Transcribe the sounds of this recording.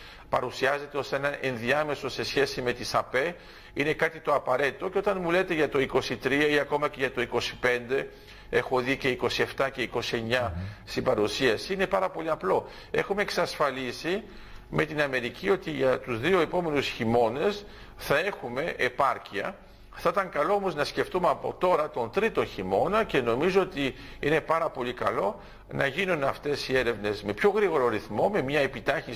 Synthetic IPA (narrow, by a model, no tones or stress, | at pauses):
pɐɾusiɐze̞t̪eo̞se̞nɐʔenðiɐme̞so̞se̞sçe̞sime̞t̪isɐpe̞ | ine̞kɐt̪it̪o̞ɐpɐɾe̞t̪it̪o̞ceo̞t̪ɐnmule̞t̪e̞ʝɐt̪o̞iko̞sit̪ɾiɐiɐko̞mɐce̞ʝɐt̪o̞iko̞si̥pe̞nd̪e̞ | e̞xo̞ðice̞iko̞sie̞ft̪ɐce̞iko̞sie̞ɲɐst̪ibɐɾusiɐsiine̞pɐɾɐpo̞liɐplo̞ | e̞xume̞eksɐsfɐlisi | me̞t̪inɐme̞ɾicio̞t̪iʝɐt̪uzðio̞e̞po̞me̞nusçimo̞ne̞s | θɐe̞xume̞ʔepɐɾciɐ̰ | θɐit̪ɐŋkɐlo̞omo̞znɐsce̞ft̪umeɐpo̞̰t̪o̞ɾɐt̪o̞nt̪ɾit̪o̞nçimo̞nɐce̞no̞mizoot̪i | ine̞pɐɾɐpo̞likɐlo̞ | nɐʝinunɐft̪e̞sie̞ɾe̞vne̞zme̞pço̞ɣɾiɣo̞ɾoɾiθmo̞me̞mɲɐepit̪ɐçi